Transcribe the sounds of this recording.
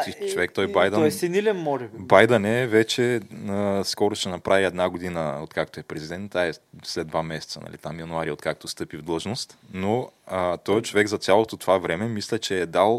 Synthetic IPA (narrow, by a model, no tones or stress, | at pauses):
it͡ʃovɛkt̪ɔjbajd̪əɛsinilʲɛnmɔʒɛbibajd̪ɐnɛvɛt͡ʃɛəskɔɾoʃɛnɐpɾʔaviɛd̪naɡod̪inəot̪kak̚t̪oɛpɾɛzid̪ɛnt̪ːaɛslɛd̪vamɛsɛ̥t̪sənɐ̰lḭt̪amjɐnʊaɾiot̪kak̚t̪ost̪ɤpivd̪lˠɤʒnost̪noət̪ɔjt͡ʃovɛɡzɐt̪sʲjalˠot̪ot̪ovavɾɛmɛmislɛt͡ʃɛːd̪alˠ